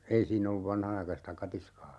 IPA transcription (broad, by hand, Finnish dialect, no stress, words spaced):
ei siːnː olːuʋ ʋɑnhɑnɑikɑstɑ kɑtiskɑː